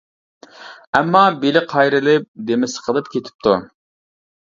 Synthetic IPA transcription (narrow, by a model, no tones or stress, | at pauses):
ɛmːɑbelɪqʰɑjɾɨlˠɨp̚d̪emɪsɪ̥qʰəlˠɨp̚kʲʰet̪ʰɪ̥p̚t̪ʰu